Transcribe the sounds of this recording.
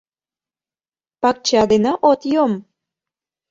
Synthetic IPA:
pɑk̚t͡ɕɑd̪enɑʔot̪jom

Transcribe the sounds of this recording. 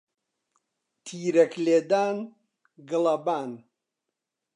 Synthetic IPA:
t̪ʰiːɾɐkleːd̪aːn | ɡɨlɐbaːn

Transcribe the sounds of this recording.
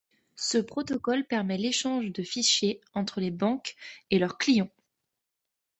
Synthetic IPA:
səpχɔt̪ɔkɔlpɛʁmɛleʃɑ̃ʒd̪əfiʃjeɑ̃t̪χəlebɑ̃kelœʁklijɑ̃

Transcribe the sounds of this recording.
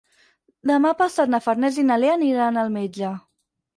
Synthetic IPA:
d̪əmapasat̪nafaɾnɛzinaleaniɾanəlˠmed͡ʒa

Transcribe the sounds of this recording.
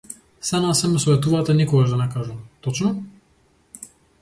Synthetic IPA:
st̪anasɛmɛsɔvɛt̪uvat̪ɛnikɔɡaʒd̪anɛkaʒumt̪ɔt͡ʃnɔ

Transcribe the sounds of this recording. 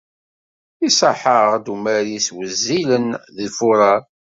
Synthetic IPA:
isəħəʁd̪umæɾiswəzːilənðifuɾˤɑ

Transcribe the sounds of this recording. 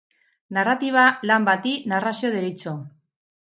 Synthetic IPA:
narat̪iβ̞alambat̪inarasioðeɾit͡so

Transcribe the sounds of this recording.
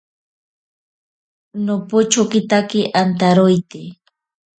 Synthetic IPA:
nopʊt͡ʃokɪt̪akɪʔant̪aɾʊjt̪ɪ

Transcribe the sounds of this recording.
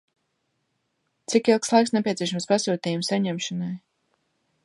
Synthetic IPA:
t̪sikilˠkslˠajksnɛpʲiɛsʲiɛʃ̬amspasuːt̪ʲijumsaɲɛmʃanaj

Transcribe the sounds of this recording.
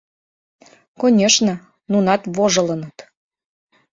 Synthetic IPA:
konʲeʃnə̆ | nunɑt̪βoʒɤ̆lɤ̆nət̪

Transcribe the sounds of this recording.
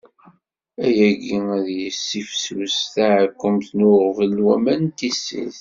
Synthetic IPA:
æjæɡiæðjəsːifswəsθæʕəkʷːəmθnʊʁvəlːwæmænt̪isːḭθ

